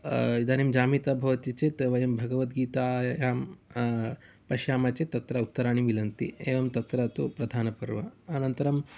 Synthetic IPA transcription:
id̪aːnimd͡ʒaːmit̪abʱɐʋɐt̪it͡ʃet̪ʋɐjɐmbʱɐɡɐʋɐt̪ɡiːt̪aːjjaːm | pɐʃjaːmat͡ɕet̪ɐt̪ɾaut̪ːɐɾaːɳ̃imʋilɐnt̪ḭḛːʋɐmt̪ɐt̪ɾat̪upɾɐd̪ʱaːnɐpɐɾʋɐ̰ːnɐnt̪ɐɾɐm

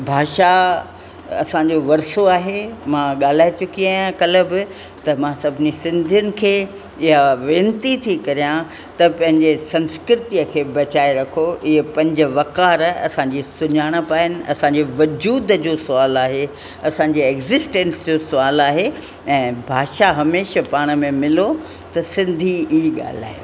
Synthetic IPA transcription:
bʱaːʃa | ɐ̰sãɲd͡ʑoʋɐɾsoaːɦemãɠaːl̤aːet͡ɕʊkiaːjãkɐləbɪ | t̪ɐmãsɐbʱɪnisɪ̃nd̪ʱijʊnɪ̆kʰeː | ɪɦaʋẽːnt̪it̪ʰikɐɾijã | t̪ɐpɐ̃ɦɪ̃ɲd͡ʑesɐ̃nskɾɪt̪iəkʰeːbɐt͡ɕaːeɾɐkʰoʔɪɦepɐ̃ɲd͡ʑʊ̆ʋɐkaːɾɐ̰sãɲd͡ʑiːsʊɲaːɽ̃ə̆paːənɪ̆ɐ̰sãːɲd͡ʑeʋɐd͡ʑuːd̪d͡ʑoːsʊaːlaːɦe | ɐsãɲd͡ʑeːɛɡzɪsʈẽnsd͡ʑoːsʊaːlaːɦe | ɛ̃ːbʱaːʃaɦɐmeːʃəpaːɽ̃ə̆mẽmɪlo | t̪ɐsɪ̃nd̪ʱiiɠa̰ːl̤a̰ːjo̰

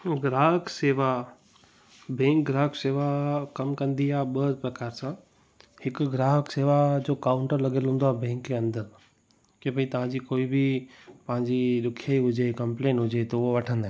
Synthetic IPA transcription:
ɡɾaːɦəkseːʋa | bẽːŋkɡɾaːɦəkseːʋakɐmkɐ̃nd̪iaɓəd̪pɾɐkaːɾsã | hɪkɡɾaːɦəkseːʋad͡ʑoːkaːʊɳʈəɾlɐɡelɦũːnd̪oaːbẽːŋkːeɐ̃nd̪əɾ | kebəit̪ɐʋ̤ãɲd͡ʑikoːibʱi | pɐɦãɲd͡ʑiɗ̪ʊkʰjaiɦʊd͡ʑekɐ̃mpleːnɦʊd͡ʑet̪ooʋɐʈʰə̃nd̪aː

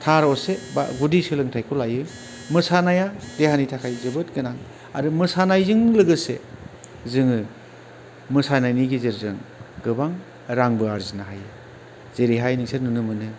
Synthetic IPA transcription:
tʰaɾɔseba̰ɡudisɯlɯŋtʰajkʰɔlajɯ | mɯsanajadehanitʰakʰajzɯbɯt̚ɡɯnaŋ | a̰ɾɯmɯsanajzɯŋlɯɡɯsḛ | zɯŋɯ | mɯsanajniɡizeɾzɯŋɡɯbaŋ | ɾaŋbɯaɾzinaɦajɯ | z̥eɾiɦajniŋseɾnɯnɯmɯnɯ

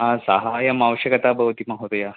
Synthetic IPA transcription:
ɦãsaɦajamaʋəɕjəkat̪abəʋt̪imaɡɦot̪oja

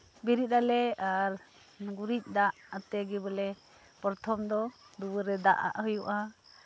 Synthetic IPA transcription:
biɾit̪̚alɛaɾ | ɡuɾic̚ˀd̪aʔat̪ɛɡɛbəlɛ | pɔɾt̪ʰɔmd̪ɔd̪uwəɾɛd̪a̰ʔa̰ʔɦəjuʔa

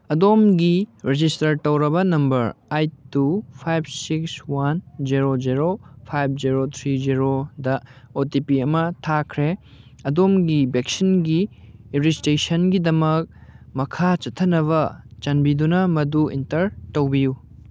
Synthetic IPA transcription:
ɐdomɡiɾed͡ʒistɐɾtɐwɾɐbɐnɐmbɐɾajtːupʰajb̚sikswand͡ʒiɾod͡ʒiɾopʰajb̚ʰd͡ʒiɾot̪ʰɾid͡ʒiɾodɐ | otipiɐmɐtʰakʰɾe | ɐdomɡibek̚sinɡiiɾistesɐnɡidɐmɐk̚mɐkʰat͡ʃɐtʰɐnɐβɐt͡ʃɐnbidunɐmɐduḭntɐɾtɐwbiju

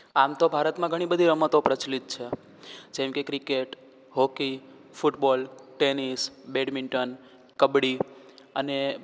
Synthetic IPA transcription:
amt̪obʱaɾət̪mãɡʱəɽ̃ibəd̪ʱiɾəmət̪opɾət͡ʃlit̪̚t͡ʃʰe | d͡ʒɛ̃mkekɾikeʈ | ɦoki | fuʈbɔlʈenisbeɖmiɳʈən | kəbɽi | əne

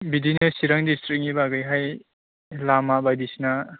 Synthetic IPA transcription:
bidinɯsiɾaŋdistɾik̚nibaɡɯjɦaj | lamabajdisna

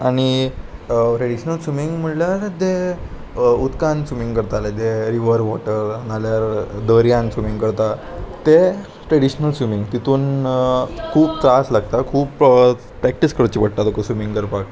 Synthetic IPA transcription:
aɽ̃i | pʈɾeɽiɕnəlsumiŋɡm̤əʈljaɾd̪e | ut̪kãnsumiŋɡkəɾt̪aled̪eɾiʋəɾʋɔʈəɾnaljaɾd̪əɾjãnsumiŋɡkəɾt̪a | t̪e | ʈɾeɽiɕnəlsumiŋɡt̪it̪uːn | kʰuːbt͡saslaɡ̚t̪akʰuːp | pɾɛk̚ʈiskəɾt͡ɕipəɽ̚t̪at̪okəsumĩŋɡkəɾpak

